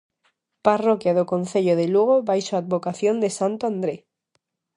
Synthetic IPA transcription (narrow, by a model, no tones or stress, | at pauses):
parokjaðokonθeʎoðeluɣ̞oβajʃoad̪̚βokaθjond̪esant̪oand̪ɾe